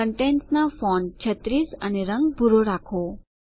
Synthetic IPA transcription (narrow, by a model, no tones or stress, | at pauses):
əɳʈɛnsnafɔnd͡ʒət̪ɾisaneɾəŋbʱuɾoɾakʰo